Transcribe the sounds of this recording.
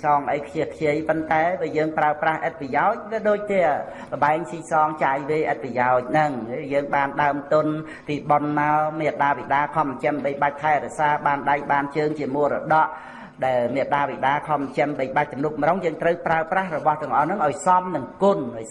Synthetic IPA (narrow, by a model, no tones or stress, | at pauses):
sɑːŋʔəjkʰjiəhkʰjəəjpont̪aɛʋiəjəːŋpraəprahʔət̪̚pijaɔc̚ʋiəɗoːc̚t̪iə | lə̆ɓaɛŋsiːsɑːŋt͡ɕaːjʋeːʔət̪̚pajaɔc̚nɨŋjəːŋɓaːnɗaəmt̪ʊn | piːɓonmaɔmiət̪̚ɗaːʋiɗaːkʰɑmt͡ɕəmɓəjɓac̚t̪ʰaɛɾɛəʔsaːɓaːnɗajɓaːnt͡ɕəːŋt͡ɕiəmuərɔɗɑʔ | ɗaɛlmiət̪̚ɗaːʋiɗaːkʰɑmt͡ɕəmɓəjɓac̚t̪umnup̚mroŋjəːŋt̪rəwpraəprahrɔɓɑht̪ɨ̆əŋʔɑhnɨŋʔaɔjsɑmnɨŋkʊn